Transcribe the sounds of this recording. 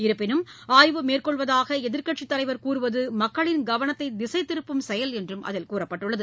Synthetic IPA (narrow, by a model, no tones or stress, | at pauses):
ɪɾɯpːɪnɯmaːjʋɯmeːrkɔɭʋɐðaːɣɐɛðɪɾkɐʈt͡ʃit̪ːɐlɐɪʋɐɾkuːrɯʋɐðɯmɐkːɐɭɪnɡɐʋɐnɐt̪ːɐɪd̪ɪsɐɪt̪ːɪɾɯpːɯmsɛjɐlɛndrɯmʔɐ̰ðɪlkuːrɐpːɐʈːɯɭːɐðɯ